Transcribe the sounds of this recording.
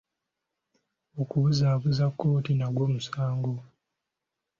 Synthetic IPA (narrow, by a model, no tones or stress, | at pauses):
okuβuzaːβuzakːo̞ːtinaɡwoːmusaːŋɡo